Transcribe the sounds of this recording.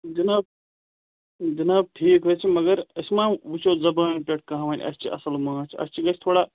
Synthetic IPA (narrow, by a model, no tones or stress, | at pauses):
d͡ʒɐnaːb̚ | d͡ʒɐnaːb̚ʈʰiːkɦəːt͡ʃʰimɐɡɐɾɐsmãːʋut͡ʃʰoːzɐbaːnʲpʲeʈ̚ʰkɐɦãʋaːnʲʔɐ̰st͡ʃʰiʔɐ̰sɐlmãːt͡ʃʰiɐ̰st͡ʃʰiɡɐt͡ʃʰt̪ʰoːɽaː